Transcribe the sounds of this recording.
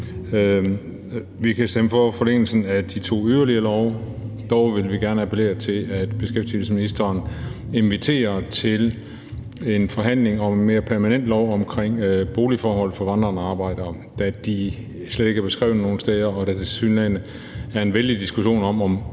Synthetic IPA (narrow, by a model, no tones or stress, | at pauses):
ʋikʰæsd̥eməfɒ̽fɒ̽leŋ̰l̩sn̩æd̥it͡sʰo̝̰ːyðˠɐliɐlɒʊ | d̥ɒʊʋe̝lʋiɡ̥æɐnəæpʰele̝̰ːɐt͡sʰe̝læd̥b̥e̝sɡ̥efd̥il̩səsminisd̥ɐːne̝nʋit͡sʰe̝̰ːɐt͡sʰe̝l | e̝nfɒ̽ɦæn̰le̝ŋɒ̽menme̝ːɐpʰæɐmænen̰d̥lɒʊɒ̽mkʰʁeŋ̰b̥o̝ːlifɒːhɒ̽l̰fɒ̽ʋɑ̈nd̥ʁɐːnɑ̈ːb̥ɑ̈ɪ̰d̥ɐ | d̥æd̥i | sled̥e̝ɡ̥æɐb̥e̝sɡ̥ʁɛ̰ːʊno̝ːn̩sd̥ɛːðˠɐɒ̽d̥æd̥e̝synænə | æɐe̝nʋeld̥id̥isɡ̥uɕo̝̰ːnɒ̽mɒ̽m